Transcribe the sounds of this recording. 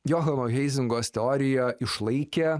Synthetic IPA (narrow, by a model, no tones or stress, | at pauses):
jɔɣɐnoɣʲɛɪzʲɪŋɡoːsʲt̪ʲɛɔːɾʲɪjɛɪʃlˠɐɪkʲe